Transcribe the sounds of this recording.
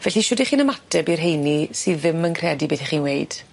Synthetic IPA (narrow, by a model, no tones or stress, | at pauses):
vɛɬiʃɔdiχiːnəmatʰɛbirɦejnisɨðɪmənkʰrɛdibeθiχiːnweɨd̥